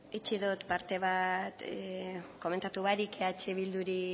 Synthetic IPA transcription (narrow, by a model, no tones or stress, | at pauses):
it͡ʃiðut̪paɾt̪e̞β̞at̪ | ko̞me̞nt̪at̪uβaɾikeat͡ʃeβild̪uɾi